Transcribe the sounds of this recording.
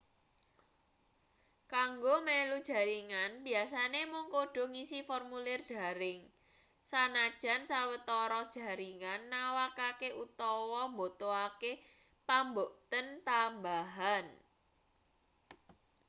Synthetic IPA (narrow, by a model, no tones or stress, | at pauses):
kaŋɡomelud̥ʒ̥a̤ɾiŋanbi̤as̬anemʊŋkoɖ̥ɔ̤ŋisifɔrmulɪrɖ̥a̤ɾɪŋ | sanad̥ʒ̥a̤nsawət̪ɔɾɔd̥ʒ̥ä̤ɾiŋanːawakakeʔut̪ɔwɔmbot̪oake | pamboʔt̪ənt̪ambaɦan